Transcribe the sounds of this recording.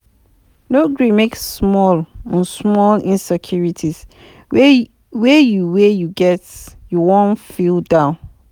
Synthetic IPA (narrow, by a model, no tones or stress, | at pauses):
noɡɹimeksːmɔlə̃nsmɔlĩnsɛkʰjuɹitʰiz̥ | wejuwejuɡɛtjuwɔ̃nfilˠdãʊ̃n